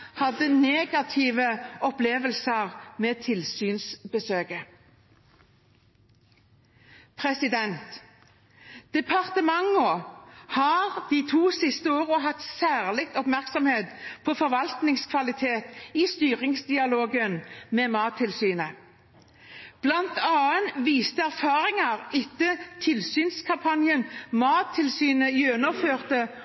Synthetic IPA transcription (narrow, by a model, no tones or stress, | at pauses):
hɑd̪ːəneːɡɑt̪ʰiːʋəɔpleːʋəlsəʁmeːt̪ʰɪlsyːnsbəsøːɡə | pʰʁɛsɪd̪ɛnt̪ | d̪̥ɛpʰɑʁt̪əmɑŋɔhɑːʁd̪̥iːt̪ʰuːsɪst̪əoːʁəɦɑt̪sæːʁlɪk̚t̪ɔpmæʁksɔmheːt̪pʰɔfɔʁʋɑlt̪nɪŋskʰʋɑlɪt̪ʰeːt̪ist̪yːʁɪŋsd̪ɪɑloːɡənmeːmɑːt̪ʰːɪlsyːnə | b̥lɑnt̪ɑːənʋiːst̪əæʁfɑːʁɪŋɑʁɪt̪ːət̪ʰɪlsyːnskʰɑmpʰɑnjənmɑːt̪ʰːɪlsyːnəjønɔføːʁt̪ə